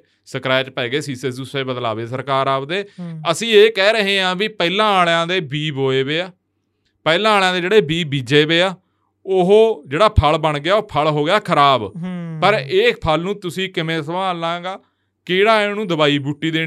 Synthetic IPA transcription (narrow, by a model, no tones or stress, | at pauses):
səkɾɛːt͡ʃpɛːɡeːsiːsesd̪ʊseːbəd̪la̰ːʋeːsəɾkaːɾaːpd̪eːəsĩːeːkɛːɾəɦeːãːbiːpɛːlãːaːɭjãːd̪eːbiːbɦoːeːbeːaː | pɛːlãːaːljãːd̪eːd͡ʒeːɽeːbiːbiːd͡ʒeːʋeːaː | oɦoːd͡ʒeːɽaːpʰəɭbəɳɡɪjaːoːpʰəlɦoːɡɪjaːkʰəɾaːbpəɾeːpʰəlnũːt̪ʊsĩːkɪmẽːsəʋãːlãːɡaː | keːɽaːɪnũːd̪əbaːiːbuʈːiːd̪eː